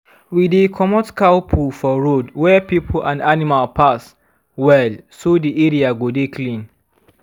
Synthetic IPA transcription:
widekʰɔmɔtkalpʰulfɔɹodwɛpipʰl̩ʔãnanimalpʰas | wɛlsodiʔeɹiaɡodekʰlĩn

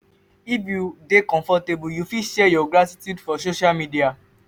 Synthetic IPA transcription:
ibudekɔ̃fɔtebujufiʃɛjɔɡɾatitjudfɔs̬oʃamĩdia

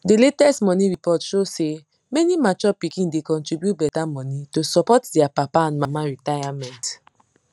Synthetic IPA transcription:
deletɛstmɔnĩɹipɔtʃose | mɛnimat͡ʃɔpikĩndekɔ̃ntɹibjutbɛtamɔnitosɔpɔtdiapapaãnmamaɹitajamɛ̃nt

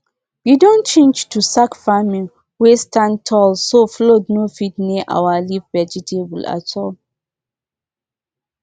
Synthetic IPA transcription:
widɔ̃nt͡ʃẽnd͡ʒtusakfamĩn | westãntʰɔlsoflodnofitneʔa̰walifvɛd͡ʒɛtʰebula̰tʰɔl

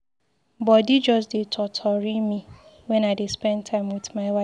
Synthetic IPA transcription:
bɔdid͡ʒɔs̬detʰɔtʰɔɹimĩ | wɛ̃naɪdespɛ̃ntʰãɪ̃mwɪtmaɪwa

